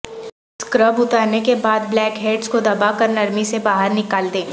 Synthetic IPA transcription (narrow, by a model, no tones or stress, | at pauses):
skɾəbʊt̪aːɾnekebaːd̪̚blɛːkɦeːɖskod̪ɐbakɐɾnɐɾmisebaːɦəɾnɪkaːld̪ẽː